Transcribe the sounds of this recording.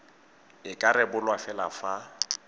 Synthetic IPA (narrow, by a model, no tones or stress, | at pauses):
ɪkʼaɾɛbʊlwafɛlafa